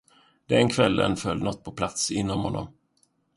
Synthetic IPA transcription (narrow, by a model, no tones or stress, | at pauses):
d̪ɛnkʰvɛlːə̰nfœlːnɔt̪̚ːpʰɔpʰlat̪sɪnːɔmhɔnːɔ̰m